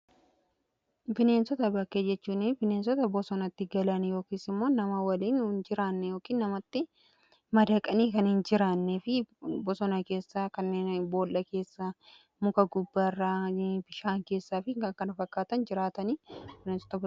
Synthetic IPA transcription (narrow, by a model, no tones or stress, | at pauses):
bɪne̞ːnsɔt̪ɐbɐkːeːd͡ʒɛt͡ʃːuːnɪbɪne̞ːnsɔt̪ɐbɔsɔnɐt̪ːɪɡɐlɐnjo̞ːkiːsɪmːo̞ːnɐmɐwɐliːnnd͡ʒɪɾaːnːɛjoːkiːnːɐmɐt̪ːɪ | mɐd̪ɐkʼɐniːkɐnhɪnd͡ʒɪɾaːnːeːfɪbɔsɔnɐke̞ːsːaːkɐnːeːnbo̞ːlːɐke̞ːsːa | mʊkɐɡʊbːɐrːaːbɪʃaːŋke̞ːsːaːfɪkɐkɐnɐfɐkːaːt̪ɐnd͡ʒɪɾaːt̪ɐniːbɪneːnsɔ̥t̪ɐb